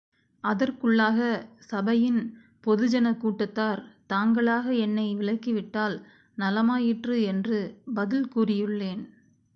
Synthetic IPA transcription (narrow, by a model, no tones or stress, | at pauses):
ʔɐðɐrkɯɭːaːɣɐsɐbɐjɪn | pɔðɯd͡ʒɐnɐkuːʈːɐt̪ːaːɾt̪aːŋɡɐɭaːɣɐɛnːɐɪʋɪɭɐɪkːɪʋɪʈːaːl | nɐlɐmaːjɪʈrɯɛndrɯbɐðɪlkuːrɪjɯɭːeːn